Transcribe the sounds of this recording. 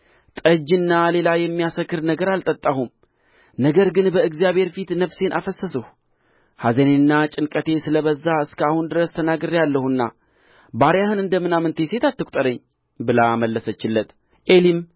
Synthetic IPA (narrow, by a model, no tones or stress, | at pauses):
t̪ʼəd͡ʒɨnːale̞lajɛmːijasəkːɨɾnəɡəɾalt̪ʼət̪ʼːahum | nəɡəɾɡɨnbəɨɡzijaβhe̞ɾfit̪nəβse̞nʔafəsːəsəh | hazenenːat͡ʃʼɪnkʼət̪ʰe̞sɨləβəzːaɨskʰəahund̪ɨɾəst̪ʰənaɡɨɾjalːəhuɨnːa̰ | baɾjahɨnɨnd̪əmɨnamɨnt̪ʰe̞se̞t̪at̪ːɨkʷʼt̪ʼəɾəɲː | bɨlaməlːəsət͡ʃːɪlːət̪ | ʔe̞lim